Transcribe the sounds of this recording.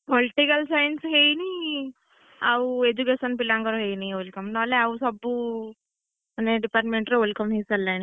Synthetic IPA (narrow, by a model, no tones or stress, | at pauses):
poliʈikəlsajnsɦeini | aued͡ʑukesənpilãŋkəɾɦejniʋolkəmnaleausəbuː | məneɖipaɾʈmeɳʈɾʋelkəmɦit͡salːani